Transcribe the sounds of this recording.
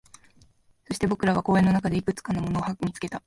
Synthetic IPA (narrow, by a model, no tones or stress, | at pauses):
so̞ɕi̥t̪e̞bo̞kɯ̟ɾaβ̞ako̞ːe̞nːo̞nakad̪e̞ikɯ̟t͡sɨ̥kanomo̞no̞ːhakmʲit͡sɨ̥ke̞t̪a